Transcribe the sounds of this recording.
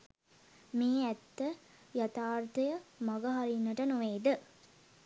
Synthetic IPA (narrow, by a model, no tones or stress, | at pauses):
miːɛt̪ːə | jɐt̪aːrt̪ɐjɐmɐɡɐɦɐɾinːɐʈɐnuʋeːd̪ɨ